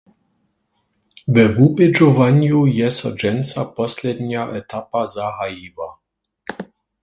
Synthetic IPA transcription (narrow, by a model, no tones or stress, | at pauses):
vɛvubɛd͡ʒɔvaɲjujɛsɔd͡ʒɛnsapɔsʲlɛd̪ɲaʔɛt̪apazaɦajiva